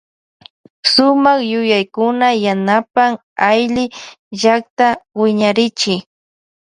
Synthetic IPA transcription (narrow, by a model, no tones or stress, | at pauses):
sʊmaχjʊjajkʊnajanapaŋ | ajlɪ | ʒak̚t̪awɪɲaɾɪt͡ʃɪ